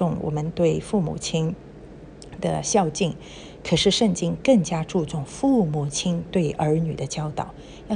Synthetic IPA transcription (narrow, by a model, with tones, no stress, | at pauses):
ʊ˥˩ŋwɔ̰˨˩mə˦nt̪we˥˧ɪfu˥˩mṵ˨˩t͡ɕʰi˥n | d̪ə̰˨ɕjɑ˥˧ʊt͡ɕi˥˩ŋ | kʰɤ˨˩ʂɻ̩˥˧ʂə˥˩nt͡ɕi˥ŋkə˥˩ŋt͡ɕja˥ʈ͡ʂu˥˧ʈ͡ʂʊ˥˩ŋfu˥˩mu˨˩t͡ɕʰi˥nt̪we˥˩ɪʔə˞˧˥ny̰˨˩d̪ə˦t͡ɕjɑ˥ʊt̪ɑ˨˩˦ʊ | j